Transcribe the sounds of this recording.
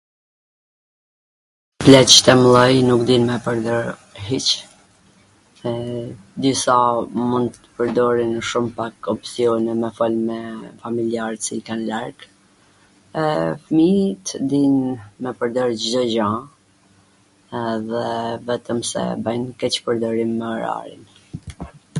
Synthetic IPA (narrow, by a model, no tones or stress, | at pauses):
plɛt͡ʃt̪ɛmlˠɔjnukd̪inmɛpəɾd̪ɔɾɦit͡ʃ | d̪isamund̪̚ə̥pəɾd̪ɔɾinəʃumpakɔpsiɔnɛmɛfɔlmɛfamiliaɾsikanlaɾɡ | ɛfmit̪ʰəd̪inmɛpəɾd̪ɔɾd͡ʒd̪ɔd͡ʑa | ɛðɛvɛt̪əmsɛ̰bajnkɛt͡ɕpəɾd̪ɔɾimːɛɔɾa̰ɾḭn